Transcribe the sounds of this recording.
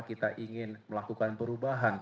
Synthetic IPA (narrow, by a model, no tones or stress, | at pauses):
kit̪aʔiŋɪnməlakukanpəɾubaɦan